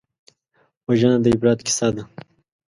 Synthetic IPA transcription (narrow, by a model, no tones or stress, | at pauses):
wɐʒanad̪əibɾɑːt̪ki̥sad̪a